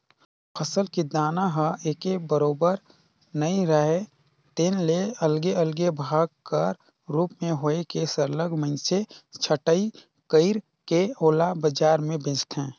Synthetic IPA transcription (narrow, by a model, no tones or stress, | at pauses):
pʰəsəlkid̪aːnaɦəʔeːkebəɾoːbəɾ | nəĩɾəɦe | t̪eːnleəlɡeəlɡebʱaːɡ̚kəɾ | ɾuːpmẽɦoːekesəɾləɡmə̃ɪnset͡ʃʰəʈəi | kəɪɾ | keoːlabəd͡ʒaːɾmẽbẽːt͡ʃt̪ɦɛ̃ː